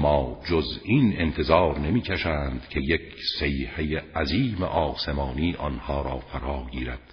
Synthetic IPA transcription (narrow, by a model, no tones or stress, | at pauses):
mɒːd͡ʒoziːne̞nt̪ʰe̞zɒːɾne̞miːcʰæʃæːnd̪̥cʰe̞jekʰsejhejeʔæziːmḛʔɒːse̞mɒːniːʔɒnhɒːɾɒːfæɾɒːɡiːɾæd̪̥